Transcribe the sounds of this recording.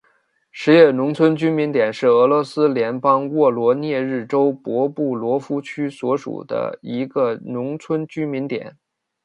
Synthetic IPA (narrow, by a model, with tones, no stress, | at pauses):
ʂɻ̩˧˥jɛ˥˩nʊ˧˥ŋt͡sʰwə˥nt͡ɕy˥nmi˧˥nt̪jɛ˨˩nʂɻ̩˥˩ɤ˧˥lwɔ˧˥sɹ̩˥ljɛ˧˥npɑ˥ŋwɔ˥˩lwɔ˧˥njɛ˥˧ɻɻ̩˥˩ʈ͡ʂo˥ʊpwɔ˧˥pu˥˩lwɔ˧˥fu˥t͡ɕʰy˥swɔ˧˥ʂṵ˨˩d̪ə̰˦i˧˥ɡə˧nʊ˧˥ŋt͡sʰwə˥nt͡ɕy˥mi˧˥nt̪jɛ̰˨˩˦n